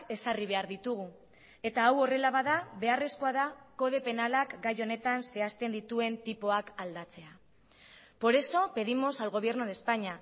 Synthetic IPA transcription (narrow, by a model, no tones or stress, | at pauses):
e̞sariβ̞e̞aɾðit̪uɣ̞u | e̞t̪aːwo̞re̞laβ̞aðaβe̞are̞sko̞aðako̞ð̞e̞pe̞nalakɡajo̞ne̞t̪anse̞ast̪e̞nd̪it̪ue̞nt̪ipo̞akald̪at͡se̞a | po̞ɾe̞so̞pe̞ðimo̞salɣ̞o̞β̞je̞ɾnuðe̞spaɲa